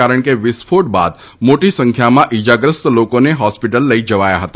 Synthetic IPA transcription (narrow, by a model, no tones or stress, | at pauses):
aɾəɳkeʋɪspʰoʈ̚ba̰d̪ | moʈisə̃ŋkʰjamãʔid͡ʒaɡɾəst̪lokoneɦɔspiʈəlːəid͡ʒəʋajaɦət̪a